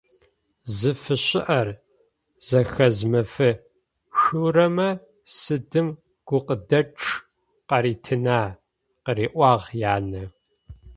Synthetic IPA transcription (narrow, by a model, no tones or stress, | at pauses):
zɨfɨɕɪʔɐr | z̥ɐxɐzmɐfɨ | ɕuːɾɐmɐ | sɨdɨm | ɡ̥ʷʊqədɐʈ͡ʂʼʰ | qɐɾiːtʰɨnaː | qəɾiːʔʷɑːʁjaːnɐ